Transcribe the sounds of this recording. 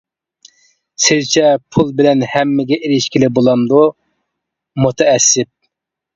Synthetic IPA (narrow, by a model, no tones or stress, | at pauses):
sɪzt͡ʃʰɛpʰulˠbɪlɛnhɛmːɪɡʲɛʔeɾɪʃkʲilɪbolˠɑmd̪u | mut̪ʰɛɛsːɪp̚